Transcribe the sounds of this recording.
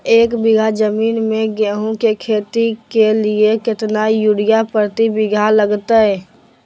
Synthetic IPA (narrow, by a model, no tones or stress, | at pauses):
eːkbɪɡʱad͡ʒəmiːnmẽɡɛːɦũkekʰeːt̪ikeliekɪt̪najuɽijapəɾt̪ibɪɡʱaləɡt̪aɦɛː